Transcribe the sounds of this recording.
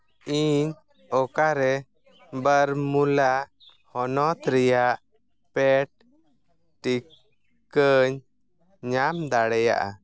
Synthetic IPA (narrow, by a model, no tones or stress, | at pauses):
iɲ | ɔkaɾɛ | bəɾmulaʔ | hɔnɔt̪ɾɛjaʔ | pɛʈ̚ | ʈi | kəɲ | ɲamd̪aɽɛja̰ʔa̰